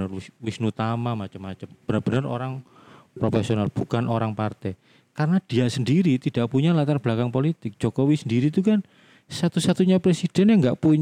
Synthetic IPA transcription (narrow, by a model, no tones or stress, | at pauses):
ərwɪsnut̪amamat͡ʃəmːat͡ʃəmb̥ənərb̥ənəro̰ɾaŋ | pɾofesionalb̥ukanʔoɾaŋpart̪ɛ | karənad̥iasəndiɾit̪id̥a̤ʔpuɲalat̪arb̥lakaŋpolit̪ɪk̚d͡ʒʒ̥okowisəndiɾit̪ukan | sat̪usat̪uɲapɾesid̥ɛ̤njaŋɡaʔpuɲ